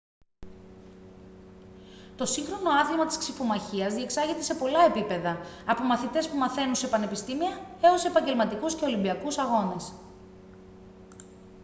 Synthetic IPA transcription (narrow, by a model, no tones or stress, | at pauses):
t̪o̞siŋxɾo̞no̞ɐðimɐt̪isksifomɐçiɐzðie̞ksɐʝet̪e̞se̞po̞lɐe̞pipe̞ðɐːpo̞mɐθit̪e̞spumɐθe̞nunse̞pɐne̞pist̪imiɐe̞o̞sepɐɲɟe̞lmɐt̪ikusce̞o̞limbiɐkusɐɣo̞ne̞s